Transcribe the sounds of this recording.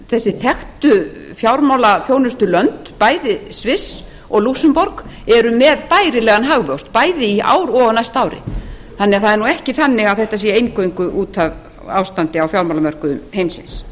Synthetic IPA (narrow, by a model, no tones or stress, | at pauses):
θɛsːɪθɛxt̪ʏ | fjawɾmawlafjoːwnʏst̪ʏlœnt̪paːjðɪsvɪs | ɔɣlusʏmpɔɾkɛɾʏmɛðpaːjɾɪlɛːɣanɦaɣvœwst̪paːjðɪiʔa̰ːwɾɔɣnajst̪aːwɾɪ̰ | θanːɛɣaθaðɛɾnuɛhcɪθanːɪɣaðθɛht̪asiɛaejnkœiŋkʏʔuːt̪ʰav | a̰wst̪ant̪ɪawfjawɾmawlamœr̥kʏʏmhejmsɪ̰ns